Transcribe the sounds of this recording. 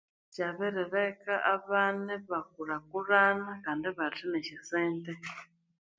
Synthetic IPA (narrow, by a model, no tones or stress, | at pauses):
t͡ʃaβɛɾɛɾɛkaʔaβanɛβakuɾakuɾanakandiβatinɛʃɛsɛːnt̪ɛ